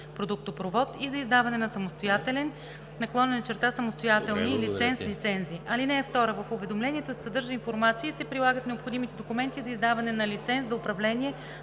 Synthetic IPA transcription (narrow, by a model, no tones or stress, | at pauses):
pɾod̪uk̚t̪opɾovɔt̪izɐizd̪avɐnɛnɐsɐmost̪ojat̪ɛlɛn | nɐklˠɔnɛnɐt͡ʃɛɾt̪asɐmost̪ojat̪ɛlˠnilit̪sɛnslit̪sɛnziʔɐlinɛːft̪ɔɾəvɐfʊvɛd̪omlɛniɛt̪osɛ̥sɐd̪ɤɾʒəinfoɾmat̪siːsɛpɾilˠaɡət̪nɛopxod̪imit̪ɛd̪okumɛnt̪izɐizd̪avɐnɛnɐlit̪sɛnszɐʊpɾɐvlɛniɛ